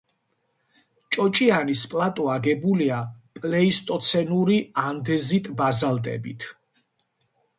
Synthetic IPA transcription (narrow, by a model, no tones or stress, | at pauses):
t͡ʃʼɔt͡ʃʼianispʼlat̪ʼɔaɡɛbuliapʼlɛist̪ʼɔt̪sʰɛnuɾiand̪ɛzit̪ʼbazalˠd̪ɛ̰bḭt̪ʰ